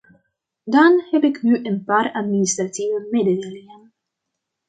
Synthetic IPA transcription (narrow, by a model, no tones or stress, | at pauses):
dɑnhɛpɪknyʔənpaːratministrativəmedədejlɪŋən